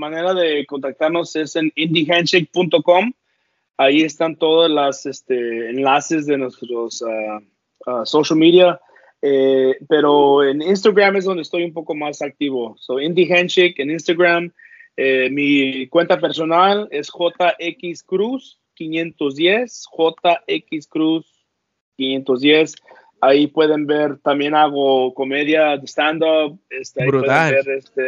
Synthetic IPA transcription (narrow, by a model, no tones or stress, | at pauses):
mane̞ɾaðe̞ko̞nt̪ak̚t̪aɾno̞se̞se̞nind̪ixant͡ʃik̚punt̪o̞ko̞m | ajie̞st̪ant̪o̞ðazlasest̪eːnlase̞zðe̞nwest̪ɾosa | asoʃalmiðja | epe̞ɾoenins̬t̪aɣɾamezðo̞nd̪est̪o̞jumpo̞ko̞masak̚t̪iβo̞soind̪ixant͡ʃikeninst̪aɡɾam | emikwe̞nt̪ape̞ɾso̞nale̞sxo̞t̪aʔekiskɾus | kinjẽ̞nt̪ozðje̞sxo̞t̪aʔekiskɾus | kinje̞nt̪ozðje̞s | aipwe̞ðe̞mbe̞ɾt̪ambje̞naɣokome̞ðjaðest̪and̪op̚est̪eaiiweðembeɾest̪e